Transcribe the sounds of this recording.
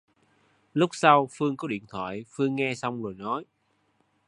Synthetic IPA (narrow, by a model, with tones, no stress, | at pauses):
lʊ˦˥k͡p̚sa˧wfɨ˧əŋkɔ˨˦ɗḭ˧˨ənt̪ʰwa̰ː˧˨jfɨ˧əŋːɛ˧sa˧wŋ͡mzo˨˩jnɔ˨˦j